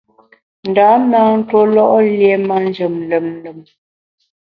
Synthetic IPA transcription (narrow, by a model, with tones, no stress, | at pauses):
n̩˨da˨˦na˦n̩˦two˦lɔ˦ʔlje˨ma˦n˦d͡ʒə˨mlə˨m˦lə˨m